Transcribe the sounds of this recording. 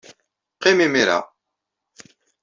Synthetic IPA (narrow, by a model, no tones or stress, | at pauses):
qimimiɾa̰